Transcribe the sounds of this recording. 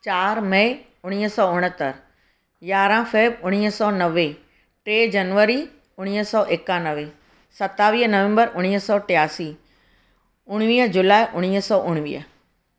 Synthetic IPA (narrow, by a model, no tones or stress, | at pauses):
t͡ɕaːɾmɐɪ | ʊɽ̃iːɦəsɔːʊɽ̃ət̪əɾ | jaːɾãfeːbʊɽ̃iːɦsɔːnɐʋe | ʈɾeːd͡ʑɐnʋəɾi | ʊɽ̃iːɦəsɔːʔekaːnəʋe | sɐt̪aːʋiːɦənɐʋɛ̃mbəɾʊɽ̃iːɦsɔːʈɪjaːsiː | ʊɽ̃ʋiːəd͡ʑʊlaːiʔʊɽ̃iːɦəsɔːʔʊɽ̃ʋḭːɦə